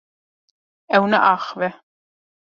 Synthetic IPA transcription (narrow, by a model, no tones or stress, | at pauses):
ɛwnaʔaːχvɛ